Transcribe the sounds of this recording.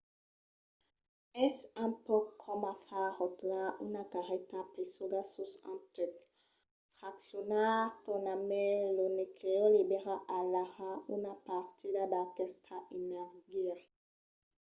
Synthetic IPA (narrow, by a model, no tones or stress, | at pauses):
ɛsãpɔkʰɔmafaʁɔt̪laʔunakaʁɛt̪apesoɡasusɑ̰̃t̪ik | fʁaksjonaʁt̪ɔnamɛlonekʰelibeʁaʔalaʁaunapaʁt̪id̪ad̪akɛst̪ʰaʔinɛʁɡia